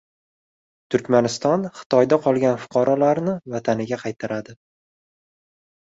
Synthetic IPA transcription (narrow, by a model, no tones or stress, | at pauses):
t̪ʰʊɾkʲmanɪst̪ɒnχɨ̥t̪ʰɒjd̪aqʰɒlˠɡʲanfʊ̥qʰɑɾɒlaɾnɪvat̪ʰanɪɡʲaqʰɑjt̪ʰaɾad̪ɪ